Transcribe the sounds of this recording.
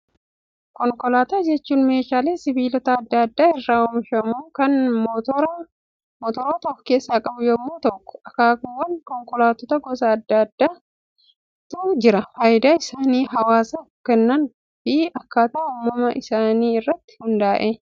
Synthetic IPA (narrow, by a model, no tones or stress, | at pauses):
kɔŋkɔlaːt̪aːd͡ʒɛt͡ʃːuːnme̞ːʃaːle̞ːsɪbiːlɔt̪ɐːd̪ːaːd̪ːaːɪrːaːʊmʃɐmuːkɐnmt̪ːɾ | mɔt̪ɔɾoːt̪ɔkːɔ̥ke̞ːsːaːkʼɐbʊjɔmːoːt̪ɔkːɔ̥ɐkaːkʊwːɐnkɔŋkɔlaːt̪ɔt̪ɐɡɔsɐːd̪ːɐd̪ːaː | t̪ud͡ʒɪɾɐfaːjd̪aːɪsaːniːɦɐwaːsɐ | kɛnːɐn | fɪɐkːaːt̪ɐːʊːmːɐmɐʔɪsaːniːɪrːɐt̪ːɪ̥hʊnd̪aːʔe